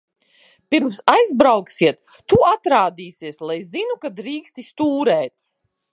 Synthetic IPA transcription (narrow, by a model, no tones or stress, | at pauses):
piɾmsajzbɾawksiɛt̪ːuat̪ɾaːd̪iːsiɛslˠajzinukad̪ɾiːkst̪ist̪uːɾɛːt̪